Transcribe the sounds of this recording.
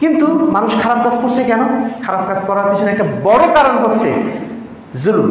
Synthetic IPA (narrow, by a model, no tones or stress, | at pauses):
kint̪umanuʃkʰaɾab̚kad͡zkoɾt͡ɕʰekɛnokʰaɾab̚kad͡ʑkɔɾaɾpit͡ɕʰonɛk̚ʈabɔɽokaɾonɦotːt͡ɕʰḛ | zulum